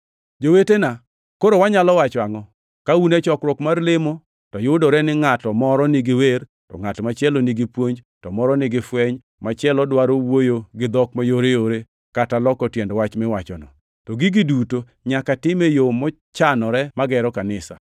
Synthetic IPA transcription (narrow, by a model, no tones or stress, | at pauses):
d͡ʒowetena | koɾowaɲalɔwat͡ʃwaŋɔ | kaunɛt͡ʃɔkɾwɔkmarlɪmo | tɔjʊdɔɾɛnɪŋatɔmɔɾɔniɡɪwer | tɔ̰ŋatmat͡ʃjɛloniɡɪpwoɲd͡ʒtɔmɔɾɔnɪɡɪfwɛɲ | mat͡ʃjɛlɔdwaɾowojoɡɪd̪ɔkmajoɾejoɾe | katalɔkɔtjɛndɔwat͡ʃmɛwat͡ʃɔnɔ | tɔɡɪɡɪduto | ɲakatɪmejomɔ | t͡ʃanɔɾɛmaɡɛɾɔkanɪsa̰